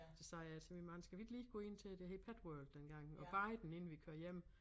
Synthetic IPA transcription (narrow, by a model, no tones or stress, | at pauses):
d̥esɑ̈ɪɐæsʰemʋimɑ̈ːn̩sɡ̥æʋid̥liːɡ̥ɔːe̝n̰t͡sʰe̝d̥ehe̝̥pʰæd̥wœɐld̥ːenɡ̥ɑ̈ŋ̰ɒ̽b̥ɑ̈ɪd̥n̩e̝nn̩ʋikʰøɐjem̰